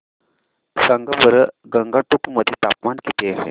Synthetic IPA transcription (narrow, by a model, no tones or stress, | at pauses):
səŋɡabəɾəɡəŋɡaʈukməd̪ʱit̪apmankit̪eaɦḛ